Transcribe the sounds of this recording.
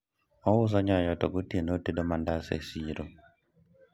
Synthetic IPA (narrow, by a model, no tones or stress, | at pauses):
ɔwʊz̬aɲajɔtɔɡotienotedɔmandasḛsiɾo